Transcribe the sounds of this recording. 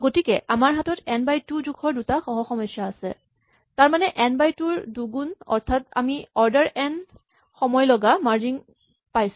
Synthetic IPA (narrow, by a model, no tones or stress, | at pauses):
ɡotikɛʔamaɹɦatɔtɛnbajtud͡ʒukʰɔɹdutaxɔɦɔxɔmɔsjaːsɛ̰ | taɹmanɛʔɛnbajtuɹduɡunɔ̰ɹtʰata̰miɔɹdaɹʔɛn | xɔmɔjlɔɡamaɹd͡ʒiŋ | pajs